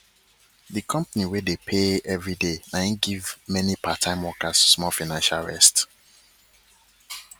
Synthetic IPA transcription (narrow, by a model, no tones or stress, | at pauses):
dikʰʌ̃mpaniwedepʰeɛvɹidenãɡivmɛnipatʰãɪ̃mwɔkassmɔfaɪnãnʃalɹɛ̰st